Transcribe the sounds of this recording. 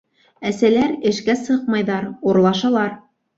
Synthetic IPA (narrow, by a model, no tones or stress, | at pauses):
æsælæɾɘ̆ʃkæsɤqmɑjðɑɾuɾlˠɑʃɑlˠɑɾ